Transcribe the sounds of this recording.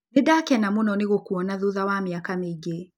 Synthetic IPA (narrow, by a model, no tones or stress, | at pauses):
niɗakɛnamunɔniɣukuɔnaðuðawamiakamiɡɛ